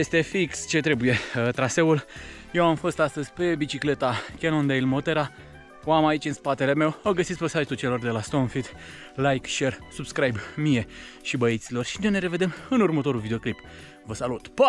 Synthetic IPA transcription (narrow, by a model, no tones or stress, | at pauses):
jest̪e̞fikst͡ʃe̞t̪ɾe̞buje̞t̪ɾase̞ul | je̞wamfo̞st̪ast̪əzʲpe̞bit͡ʃikle̞t̪akʲenond̪eilmo̞t̪e̞ɾa | oamait͡ʃʲɨnspat̪e̞le̞me̞wəɡəsit̪spesaʒit̪ut͡ʃe̞lo̞rd̪e̞last̪o̞nfit̪ | lajkʃe̞rsubskɾajbmije̞ʃibəit̪silo̞rʃinene̞ɾe̞ve̞d̪e̞mɨnurmət̪o̞ɾulvid̪e̞o̞klip | vəsalut̪pə